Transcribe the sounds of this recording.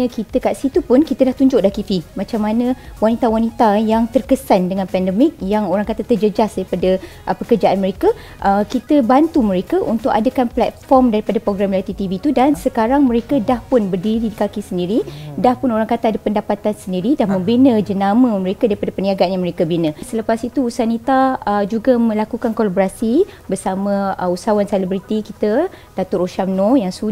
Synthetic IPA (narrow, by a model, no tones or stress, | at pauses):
kit̪əkaʔsit̪upʊnkit̪əlaht̪uɲd͡ʒʊʔ̚dahkifimãt͡ʃamːanə̃wanit̪awanit̪ajaŋt̪ərkəsandəŋãnpɛndəmɪk̚jaŋoɾaŋkat̪at̪ərd͡ʒəd͡ʒasdaɾipada | ʔpəkərd͡ʒaʔanməɾeka | ʔəkit̪əbant̪uməɾekaʔunt̪ʊkadakanplɛt̪̚fɔrmdaɾipadapɾoɡɾamlat̪it̪ivit̪udansəkaɾaŋməɾekadahpʊnbərdiɾidikakisəndiɾidahpʊnoɾaŋkat̪aadapəndapat̪ansəndiɾidahmə̃mbinə̃d͡ʒənamə̃məɾekadaɾipadapəniaɡanjaməɾekabinə̃sələpasit̪uusanit̪aəd͡ʒuɡamə̃lakukankolaboɾasibərsamə̃əusawanselibɾit̪ikit̪a | d̥at̪ʊɾoʃamnɔjaŋsu